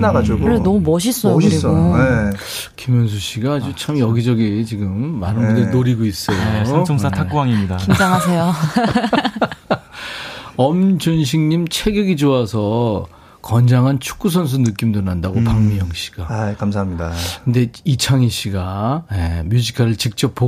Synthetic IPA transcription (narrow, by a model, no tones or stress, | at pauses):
naɡad͡ʑuɡkoɾenʌmumʌɕ̬ʰis͈ʌjoɾioe | kimjʌns̬ʰuɕʰiɡaːd͡ʑut͡ɕʰamjʌɡid͡ʑʌɡit͡ɕiɡɯmːanɯndeɭnoɾiɡois͈ʌjoʌŋsʰatʰak͈uwaŋimɲidakid͡ʑaŋɦas̬ʰe̞jo | ʌmd͡ʑonɕ̬ʰiŋɲimt͡ɕʰeɡjʌɡid͡ʑoasʰʌ | kʌnd͡ʑaŋɦant͡ɕʰu̥k̚k͈us̬ʰʌns̬ʰunɯk͈imdɯnandaɡopaŋmijʌŋɕ͈i̥ɡ̥akamsʰaɦamɲidakɯnde̞it͡ɕʰaŋiɕ͈ʰiɡajḛmjud͡ʑikʰaɾɯɭt͡ɕik̚t͡ɕ͈ʌp̚p͈o